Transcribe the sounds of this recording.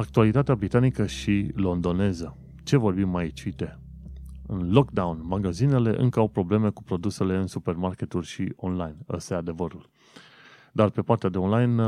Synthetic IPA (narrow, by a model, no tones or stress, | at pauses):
ak̚t̪ualit̪at̪eabɾit̪anikəʃilo̞nd̪o̞ne̞zə | t͡ʃe̞vo̞rbimːajit͡ʃit̪e̞ | ɨnlo̞kd̪aunmaɡazine̞le̞ʔɨ̰ŋkəawpɾo̞ble̞me̞kupɾo̞d̪use̞le̞ɨnsupe̞rmarkʲe̞t̪ulʲʃionlajnə̰st̪ajad̪e̞vəɾul | d̪arpe̞part̪ead̪e̞onlajn